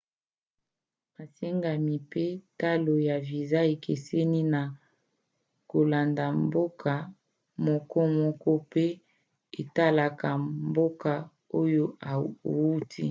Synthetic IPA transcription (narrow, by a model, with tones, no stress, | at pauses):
ma˨se˦ŋɡa˨mi˨pe˦ta˦lo˨ja˨vi˨za˦e˨kʰe˨se˦ni˦na˨ | ko˨la˨nda˨mbo˦kʰa˨ | mɔ˨kɔ˦mɔ˦kɔ˦pe˦ | e˨ta˦la˨ka˨mbo˦ka˨ | o˦jo˦a˨wu˦ti˦